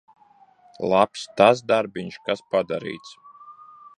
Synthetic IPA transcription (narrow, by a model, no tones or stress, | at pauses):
lˠapst̪asd̪aɾbiɲʃkaspad̪aɾḭːt̪s